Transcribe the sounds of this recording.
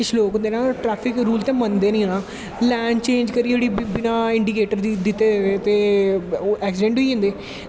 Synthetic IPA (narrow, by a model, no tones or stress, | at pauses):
ɪt͡ʃʰloːkɦõnd̪eːnãːʈɾɛːpʰɪkɾuːlt̪ẽːmənd̪eːnĩːnaː | lɛːnt͡ʃẽːnd͡ʒkəɾid͡ʒeːɽiːbɪnaːɪ̃ɳɖiːkeːʈəɾd̪id̪ɪt̪ːeːeːt̪eː | ʔɛːksɪɖẽɳʈɦiːɦʊ̃nd̪eː